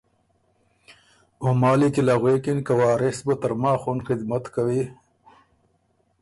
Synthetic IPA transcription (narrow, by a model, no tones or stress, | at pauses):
ʊmɑːlikilaɣwekinkawɑːɾɪsbət̪aɾmaːxunxɪd̪mat̪kawi